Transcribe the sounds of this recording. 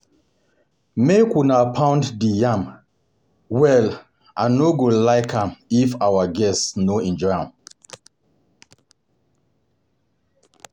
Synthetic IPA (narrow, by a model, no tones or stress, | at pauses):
mekunapʰãʊ̃nddijãm | wɛl | ʔanoɡolaɪkʰãmifawaɡɛstsnoɛ̃nd͡ʒɔjãm